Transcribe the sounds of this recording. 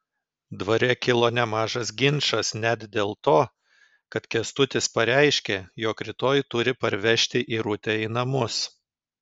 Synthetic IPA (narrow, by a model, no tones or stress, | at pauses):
d̪ʋɐɾʲɛkʲɪlˠoːnʲɛmɑːʒɐs̬ɡʲɪnʃɐsnʲæt̪d̪ʲeːlˠt̪oː | kɐt̪kʲɛst̪ʊt̪ʲɪspɐɾʲæɪʃʲkʲeːjoːkɾʲɪt̪oːjt̪ʊɾʲɪpɐɾʲʋʲɛʃʲt̪ʲɪʔiːɾʊt̪ʲɛiːnɐmʊs